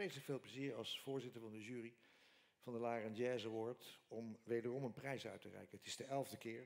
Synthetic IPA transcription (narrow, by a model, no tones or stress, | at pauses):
ejtləkfeːlˠpləziːɹɑlˠsfʊːɹzɪtəɹvɑndəʒyːri | v̥ɑndəlaːrɑnɛːzəʋɔɹtɔmʋejdərɔmənprɛjsœ̰ɥtərɛ̰jkəətɪzdəɛlˠvdəkɪːɹ